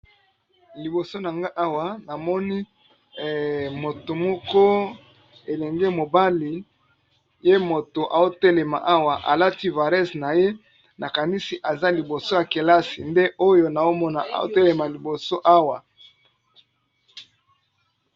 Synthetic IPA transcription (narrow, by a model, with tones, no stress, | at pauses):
li˨bo˨so˦na˨ŋɡa˦ʔa˦wa˨na˨mɔ˦ni˦˨ | mo˨to˨mɔ˦kɔ˦ | e˨lɛ˨ŋɡe˦mo˨ba˦li˨ | je˦mo˨to˨ʔa˨zo˦tɛ˦le˨ma̰˨ʔa˦wa˨ʔa̰˨la˦ti˦va˨ʁɛ˦sna˨je˦ | na˨ka˨ni˦si˨ʔa˨za˦li˨bo˨so˦ja˨ke˨la˦si˨nde˦o˦jo˦na˨o˦mɔ˦na˨ʔa̰˨zo̰˦tɛ˦le˨ma˨li˨bo˨so˦ʔa˦wa˨